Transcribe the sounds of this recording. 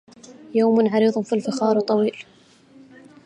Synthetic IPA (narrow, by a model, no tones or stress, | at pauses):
jaːmʊnʕɑɾiːðˤnfilfɪxɑːɾˤt̪ˤːɑwiːl